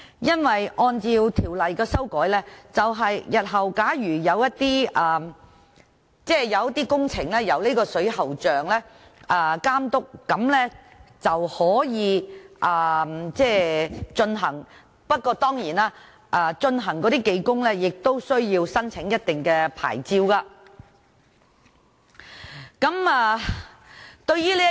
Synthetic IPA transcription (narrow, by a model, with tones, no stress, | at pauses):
jɐ˥nwɐ˨jʔɔː˧nt͡siː˧wt̪ʰiː˨˩wlɐ˨jkɛː˧sɐ˥wkɔː˨˥jlɛː˥t͡sɐ˨wɦɐ˨jjɐ˨t̚ɦɐ˨˩wkaː˨˥ɥyː˨˩jɐ˨˧wjɐ˥t̚t̪iː˥ɐː˨˩ | t͡sɛː˥˩jɐ˨˧wjt̪iː˥kʊ˥ŋt͡sʰɪ˨˩ŋlɛː˥jɐ˨˧wli˥kɔː˧sɵ˨˥ɥɦɐ˨wt͡ʃœː˨ŋlɛː˥ | ʔɐː˨˩kaː˥mt̪ʊ˥k̚ːɐ˨˧mlɛː˥ | t͡sɐ˨whɔː˨˥jiː˨˧ʔɐː˨mt͡sɛː˥˩t͡ʃɵ˧nɦɐ˨˩ŋ | pɐ˥t̚kːɔː˧t̪ɔː˥ŋjiː˨˩naː˧˥ | ʔaː˨˧t͡ʃɵ˧nɦɐ˨˩ŋkɔː˨˧ɾiː˥ke˧jkʊ˥ŋlɛː˥jɪ˨k̚t̪o˥wsɵ˥ɥjiː˧wsɐ˥nt͡sʰɪ˨˥ŋjɐ˥t̚t̪ɪ˨ŋkɛː˧pʰa̰ː˨˩jt͡siː˧wkaː˧ | kɐ˨˥mɛː˨˧ | t̪ɵ˧ɥjyː˥liː˥